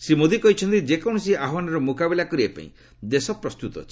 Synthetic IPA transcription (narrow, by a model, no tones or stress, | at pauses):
semod̪ʱikɔɦit͡ʃʰɔnt̪id͡ʒekɔ̃ɔs̬iaɦɔwanɔɾɔmukabilakɔɾibapa̰ḭ̃ | d̪esɔpɾɔst̪ut̪ɔ̰t͡ʃʰi